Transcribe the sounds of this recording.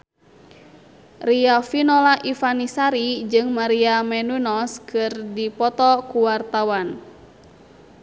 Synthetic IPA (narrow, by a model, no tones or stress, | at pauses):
riafinɔlaʔifanisaɾid͡ʒɨŋmaɾiamɛnunɔskʰɨrdipɔt̪ɔkuwart̪awan